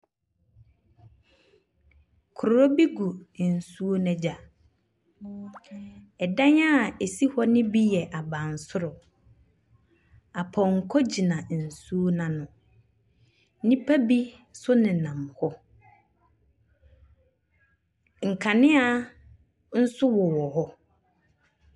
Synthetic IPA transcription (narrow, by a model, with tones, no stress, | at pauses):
kʰʊ˨ɾɔ˦bi˦ɡu˨n̩˨su˦o˦nɛ̃˦d͡ʑa˨ | ɛ˨dã˦ɲa˦˨e˨si˦hɔ˦nɪ̃˦bi˦jɛ˨ʔa˨bã˨n̩˨sʊ˦ɾʊ˨ | a˨pʰɔ̃˨ŋ̩˨kʰɔ˦d͡ʑi˨nã˨n̩˨su˦o˦nã˨nʊ̃˨˦ | nĩ˦pʰa˦bi˦ | sʊ˦nɪ̃˨nã˨m˨hɔ˦ | ŋ̩˨kʰa˨nɪ̃˦a˦ | n̩˦sʊ˦wɔ˨wɔ˨hɔ˦